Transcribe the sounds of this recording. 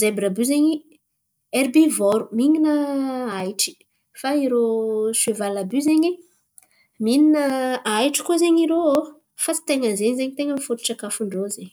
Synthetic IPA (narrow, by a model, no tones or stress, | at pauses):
zebiɾabyzeɲi | ɛɾbivoɾumiŋinəajʈ͡ʂi̥ | faiɾoʃevalabyzeɲi | mininəajʈ͡ʂi̥kuzeɲiɾoo | fat͡si̥t̪eŋənzeɲzeɲit̪eŋəmifut̪uʈ͡ʂakafuɳɖ͡ʐozeɲ